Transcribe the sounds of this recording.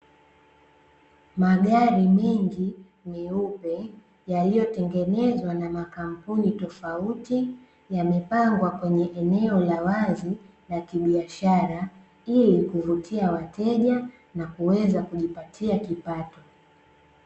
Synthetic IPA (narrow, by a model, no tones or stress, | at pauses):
maɠaɾimɛŋɡi | mɛupɛ | jalijɔtɛŋɡɛnɛzwanamakam̩punitɔfauti | jamɛpaŋɡwakwɛɲɛʔɛnɛɔlawazi | lakiɓiaʃaɾa | ilikuvutʰiawatʰɛʄa | nakuwɛzakuʄipatʰiakipatɔ